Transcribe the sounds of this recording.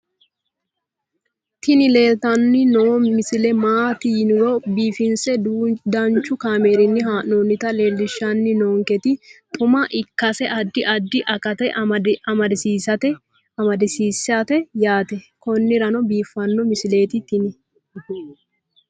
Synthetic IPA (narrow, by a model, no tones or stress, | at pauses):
t̪ɪnɪle̞ːlt̪ɐnːɪnomɪsɪlɛmaːt̪iːnʊɾɔbiːfɪnsɛduːd̪ɐnt͡ʃːʊkaːme̞ːɾɪnːɪɦaːnoːnːɪt̪ɐle̞ːlːɪʃːɐnːɪnoːŋkɛt̪ɪt̪ʼʊmɐʔɪkːɐsɛʔɐd̪ːɪʔɐd̪ːɪʔɐkɐt̪ɛɐmɐd̪ɪsiːɐt̪ɛ | ɐmɐd̪ɪsiːsɐt̪ɛjaːt̪ɛkɔnːɪɾɐnɔbiːfːɐnːɔmɪsɪle̞ːt̪ɪt̪ɪnɪ